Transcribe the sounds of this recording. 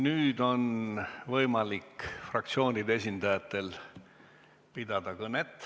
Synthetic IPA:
nyːd̪o̞nvɤjmɑlikfrɑk̚t̪sio̞ːnid̪ees̬ʲind̪ɑjɑt̪ːˑe̞l | pid̪̥ɑd̪̥ɑkɤnet̪ːˑ

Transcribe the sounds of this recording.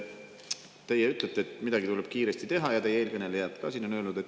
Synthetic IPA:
t̪e̞jɛyt̪ˑlet̪ːˑeet̪ːmid̪ɑɡit̪uleb̥kiːɾest̪it̪e̞ɦɑjɑt̪e̞jeeːlkɤne̞le̞jɑt̪kɑːsiːno̞nøːlnud̪e̞t̪ː

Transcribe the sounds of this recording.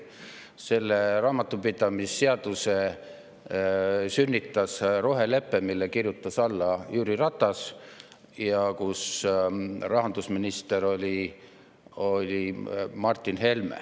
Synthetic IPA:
se̞lːerɑːmɑt̪ːˑupid̪̥ɑmisːe̞ɑd̪̥use̞ | synʲːit̪ːˑɑsro̞ɦe̞le̞pːˑemilːekirjut̪ːˑɑsɑlːɑjyːɾirɑt̪ːˑɑs | jɑkus | rɑɦɑnd̪̥usminist̪e̞ɾo̞lʲi | o̞lʲimɑrt̪ːˑinhe̞lmḛ

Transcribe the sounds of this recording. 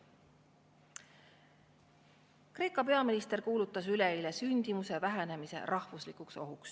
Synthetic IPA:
kre̞ːkːˑɑpe̞ɑminist̪erkuːlut̪ːˑɑsyleilesynʲd̪̥imuse̞væɦene̞mise̞̰ɾʔɑhvuslikˑukso̞ɦuks

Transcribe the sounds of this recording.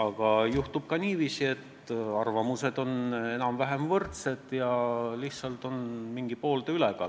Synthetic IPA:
ɑɡ̥ɑjuht̪ub̥̚kɑnʲiːviːsie̞t̪ːˑ | ɑrvɑmuse̞d̪̥o̞ne̞nɑmvæɦe̞mvɤrt̪se̞d̪̥jɑliht̪sɑlt̪o̞nmiŋɡ̥ipo̞ːld̪eyleɡ̥ɑ̰

